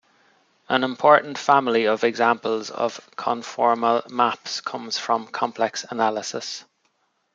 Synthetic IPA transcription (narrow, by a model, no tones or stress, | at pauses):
ə̃nɪ̃mpʰɔɹʔn̩tfamɪliəvɛɡzãmpəlzə̰v̥kʰə̃nfɔɹməlmapskʰʊ̃mz̥fɹə̃mkʰɒ̃mpʰl̥ɛksənalɪsɪs